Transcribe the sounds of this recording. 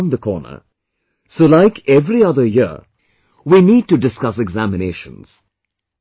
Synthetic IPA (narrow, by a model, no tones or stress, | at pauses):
nd̪əkʰɔ̰ːnə̰ | soːlaɪkʰɛvɾiʌðə˞jɪ | winiːd̚ʈuɖɪskʌsɛɡzæmɪneːʃə̰̃nz̥